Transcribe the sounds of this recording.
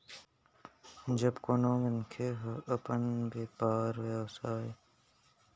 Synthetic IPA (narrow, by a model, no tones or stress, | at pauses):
d͡ʒəbkonõːʋənkʰeːɦəəpənbeːpaːɾʋeʋsaːɦeː